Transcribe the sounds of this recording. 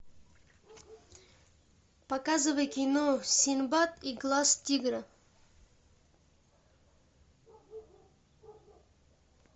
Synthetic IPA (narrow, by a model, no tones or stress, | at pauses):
pɐkazɨvəjkʲinosʲinbat̪iɡlˠastʲiɡɾə